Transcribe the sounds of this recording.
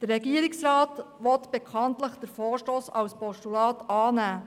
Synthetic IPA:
d̥əɾːɛɡiəɾiksrɑːtʋɔt̪b̥ekχɑntləχd̥̪əɾfoːɾʃtoːsɑwspɔʃtulɑːtɑːnæː

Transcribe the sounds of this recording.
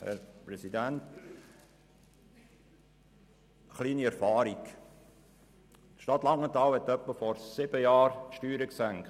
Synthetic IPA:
hɛ̰ɾpɾɛsidænt | χliːniæɾfɑːɾik | t̪ʃtɑt̪lɑŋnɛt̪ɑːwhɛt̪œpːəfɔɾsɪb̥əjɑːɾʃtyːɾəksæŋkt

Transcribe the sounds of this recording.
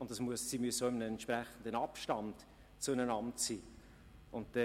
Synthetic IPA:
ʊnt̚d̥ɑsmuəssiːmyəssoɪmənəɛntprɛχən̩dənɑpʃtɑnt | t͡sʊənənɑntsiː | ʊnt̚dɛ

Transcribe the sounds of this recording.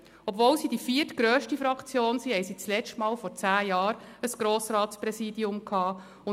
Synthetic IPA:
ɔbvoːlsidifiətɡ̥ɾøːʃtifɾɑkt͡sjoːnsihɛjsit͡slɛt͡ʃtmɑːlfɔɾt͡sæːjɑːɾəsɡ̥ɾoːsɾɑːtspɾɛsiːdiʊmkʰhɑː | ʊ

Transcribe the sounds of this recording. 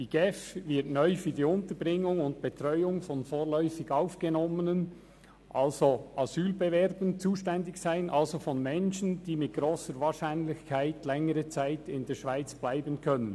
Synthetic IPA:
d̥iːɡ̥ɛfvɪɐtnœʏfyːdiːʊntəbʁɪŋʊŋʊntb̥etɾɔʏʊŋfɔnfoːʁlœʏfɪɡaʊfɡ̥ɛnɔmənən | ʔalzoʔɑzyːlbevɛɾbənt͡suːʃtɛndɪçsaɪnʔalzofɔnmɛnʃənd̥iːmɪt̚ɡ̥ɾoːsəɾvaːʁʃaɪnlɪçkʰaɪtlɛŋəʁət͡saɪtɪndeːɐʃv̥aɪt͡sb̥laɪbənkʰœnən

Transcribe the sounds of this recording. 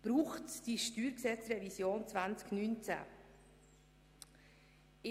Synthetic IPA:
b̥ɾuːχtd̥iʃtyːɾksɛt͡srɛvisjoːnt͡svant͡sknynt͡sæ̰ː | ɪ

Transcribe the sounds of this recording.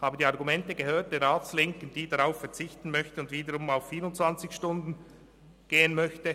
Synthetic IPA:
haːbədiɑʁɡumɛntəɡ̥əhøːɐt̚d̥eːɾʁaːt͡slɪŋkən̩d̥iːdaʁaʊfɛɐʁt͡sɪçtn̩mœçtəʊndviːdəɾʊmaʊfːiːɾʊntt͡svant͡sɪçʃtʊndn̩ | ɡ̥eːənmœçtə

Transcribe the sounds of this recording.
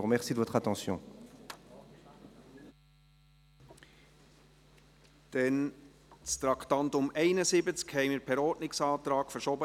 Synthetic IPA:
uʁmɛʁsid̪əvɔt̪χat̪ɑ̃sjɔ̰̃ | d̪̥ɛn | t͡st̪ɾɑkt̪ɑnt̪ʊmɛɪnəsɪbət͡skhɛɪmɪɾpʰɛɾɔːɾtnɪksɑːt̪ɾɑːɡ̥fəɾʃɔːbə

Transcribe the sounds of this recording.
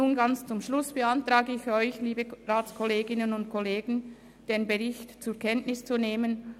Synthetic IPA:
uːnɡɑnt͡st͡sʊmʃlʊsb̥əantʁaːɡəɪçɔʏçliːbəʁaːt͡skʰɔleːɡɪnənʊntkʰɔleːɡn̩ | d̥eːnbəʁɪçtt͡sʊɐkʰɛntnɪst͡suneːmən

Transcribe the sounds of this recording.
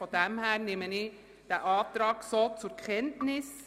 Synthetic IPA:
ɔd̪ɛmhæːɾnɪməni | d̥̪ɛʔɑːd̪ɾɑːɡ̥soːt͡sʊɾkʰɛnt̪nɪs

